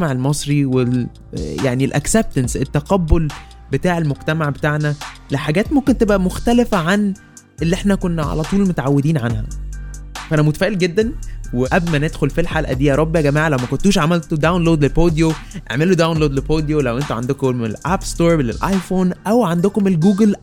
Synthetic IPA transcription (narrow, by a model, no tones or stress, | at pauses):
maʕelmɑsˤɾiwe | jaʕnielʔæ̰kseb̚t̪ænset̪ːæqɑbːol | bet̪aːʕelmoɡ̚t̪æmaʕbet̪aʕnæ | leħaɡæːt̪momkent̪ebʔæmoxt̪ælefæʕan | elːiʔeħnækonːæʕa̰læt̪ˤuːlmot̪ʕawːed̪iːnʕanhæ̰ | fæʔænæmot̪æfæːʔelɡed̪ːænweʔæblmæned̪xolfilħalʔæ̰d̪ejːæɾˤɑbːehæɡæmaːʕalæwmækont̪uːʃʕamælt̪od̪awnloːd̪lepoːd̪joʔḛʕmelod̪awnloːd̪lepoːd̪jolæwʔent̪uʕa̰nd̪okomḛlʔæbst̪oːɾlḛlʔɑjfoːnʔæwʕand̪okomelɡuːɡl